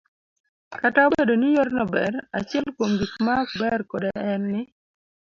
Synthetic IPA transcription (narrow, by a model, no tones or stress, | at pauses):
kataobedonijoɾnɔbɛ̰ɾa̰t͡ʃɪɛlkwomɡikmak̚bɛrkodɛɛnːɪ